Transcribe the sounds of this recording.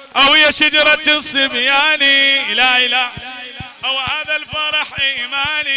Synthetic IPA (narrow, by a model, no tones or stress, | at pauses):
ʔawhɪjaʃad͡ʒɑɾˤɑt̪sˤɨmjaːnilala | ʔawhaːðalfɑɾˤɑħʔiʔmaːni